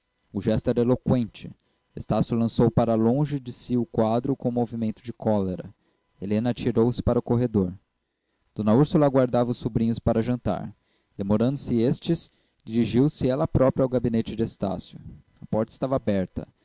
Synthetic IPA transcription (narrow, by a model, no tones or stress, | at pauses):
ʊʒɛst̪ʊɛɾɐelokwẽnt͡ʃɪ | est̪asjʊlɐ̃sowpaɾɐlõʒɪd͡ʒɪsiʊkwad̪ɾʊkõmovimẽnt̪ʊd͡ʒɪkʰɔleɾɐ̰ | elẽnɐat͡ʃiɾowsɪ̥paɾɐʊkoɦed̪oɾ | d̪̥õnɐuɾsulɐaːɡwaɾd̪avɐʊsːubɾĩɲʊspaɾɐʒɐ̃nt̪a̰ɾ | d̪̥emoɾɐ̃nd̪ʊsɪest͡ʃɪs | d͡ʒiɾiʒiwsɪɛlɐpɾɔpɾiawɡabinet͡ʃɪd͡ʒɪest̪a̰sjʊ | ɐpɔɾt̪ɐist̪avabɛɾt̪ɐ̰